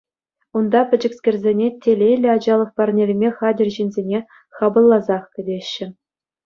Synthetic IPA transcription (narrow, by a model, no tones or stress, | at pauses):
und̪ɑpʲɘ̆d͡ʑɘ̆ksʲkʲerʲzʲenʲetʲelʲejlʲːɘ̆ɑd͡ʑɑlˠɤ̆χpɑrnʲelʲmʲeχɑdʲɘ̆rʲʑinʲzʲenʲe | χɑbɤ̆lˠːɑzɑχkʲɘ̆dʲeɕːɘ̆